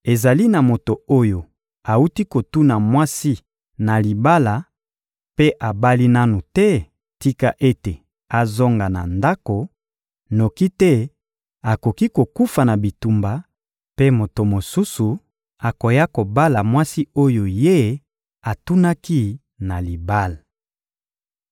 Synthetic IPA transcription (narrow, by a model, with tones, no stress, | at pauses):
e˨za˨li˦na˨mo˨to˨o˦jo˨ | a˨u˦ti˦ko˨tu˦na˨mwa˦si˦ | na˨li˨ba˦la˨ | pe˦ʔa˨ba˦li˦na˦nu˨tɛ˦ | ti˦ka˦ʔe˦te˨ | a˨zo˦ŋɡa˨na̰˨nda˦ko˨ | no˨ki˦tɛ˦ | a˨ko˨ki˦ko˨ku˦fa˨na˨bi˨tu˨mba˨ | pe˦mo˨to˨mo˨su˦su˨ | a˨ko˨ja˦ko˨ba˦la˨mwa˦si˦o˦jo˨je˦ | a˨tu˦na˦ki˦ | na˨li˨ba˦la˨